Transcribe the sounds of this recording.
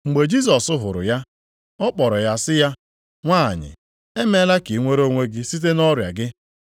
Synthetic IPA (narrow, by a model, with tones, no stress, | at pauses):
ŋ͡m̩˨ɡ͡be˨d͡ʒi˦s̬ɔ˨sʊ˦ɦʊ˨ɾʊ̰˨ja˦ | ɔ˦k͡pɔ˨ɾɔ˨ja˦sɪ˦ja˦ | ŋʷa̰ː˦˨ɲɪ̰˨ | e˦me˦la˦ki˨˦ŋʷe˦ɾo˦ŋʷe˦ɡɪ˦si˦t̬e˦nɔ˦ɾja̰˨ɡɪ˦